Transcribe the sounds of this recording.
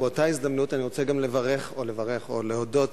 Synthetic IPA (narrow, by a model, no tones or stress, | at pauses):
beotaizd̪amnutaniʁot͡seɡamle̞vaʁeχo̞levaʁe̞χo̞̰leodo̞t